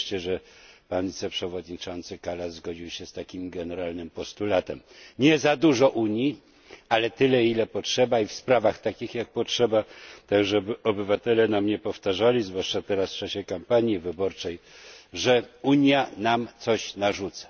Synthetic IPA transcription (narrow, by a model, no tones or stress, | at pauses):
ʂt͡ɕɛʐɛpanvʲit̪sɛpʂɛvɔd̪ɲit͡ʂɔnt̪sɘkalazɡɔd͡ʑiwɕɛst̪akʲimɡɛnɛɾalnɘmpɔst̪ulat̪ɛm | ɲɛzad̪uʐɔʔuɲji | alɛt̪ɘlɛilɛpɔtʂɛbaifspɾavaxt̪akʲixjak̚pɔtʂɛbat̪aɡʐɛbɘɔbɘvat̪ɛlɛnamɲɛpɔft̪aʐalʲizvwaʂt͡ʂat̪ɛɾasft͡ʂaɕɛkampaɲjivɘbɔɾt͡ʂɛjʐɛuɲjanamt̪sɔɕnaʐut̪sḁ